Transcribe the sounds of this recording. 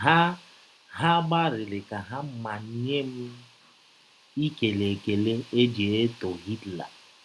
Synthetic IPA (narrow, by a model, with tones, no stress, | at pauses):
ɦa˦ | ha˦ɡ͡ba˦ɾɪ˨lɪ˨ka˨ɦa˦m̩˦ma˨ɲ˦ɲe˦m̩˦ | i˦ke˨le˨ke˨le˦e˦d͡ʒe˨e˦to˨ɣi˦tla̰˨